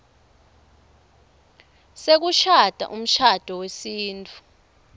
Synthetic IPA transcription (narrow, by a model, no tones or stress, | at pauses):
sek̬uʃad̥ʱa̰ʔum̩ʃad̥ʱɔwesiːntʰʼu̥